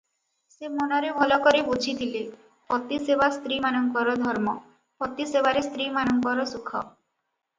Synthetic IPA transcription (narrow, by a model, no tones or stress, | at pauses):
semonɔɾebʱɔlɔkɔɾebut͡ʃʰit̪ʰile | pɔt̪isebast̪ɾimanɔŋkɔɾɔd̪ʱɔɾmɔ | pɔt̪isebaɾest̪ɾimanɔŋkɔɾɔsukʰɔ